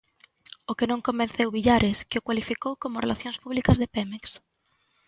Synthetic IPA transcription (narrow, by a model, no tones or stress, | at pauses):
okenõŋkombẽnθewβiʎaɾɪskɪokwalifikowkomʊrḛlʔaθjõŋspuβlikɐzðepɛmeks